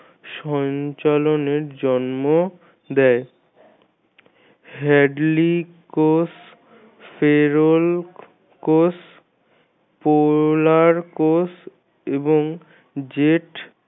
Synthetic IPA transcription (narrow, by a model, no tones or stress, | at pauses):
ʃɔɲt͡ɕaloneɾd͡ʑɔnmo | d̪ɛe | ɦɛɖli | kos | feɾol | kos | polaɾkos | eboŋ | d͡ʑeʈ